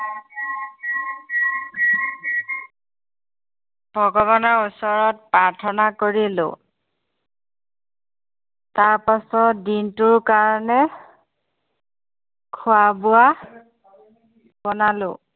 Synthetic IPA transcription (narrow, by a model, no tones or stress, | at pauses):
bʱɔɡɔβɔnɔɹusɔɹɔt̚pɹaɹtʰɔnakoɹilʊ̰ | taɹpasɔtdintʊɹkaɹɔnɛ | kʰʊabʊa | bɔnalʊ̰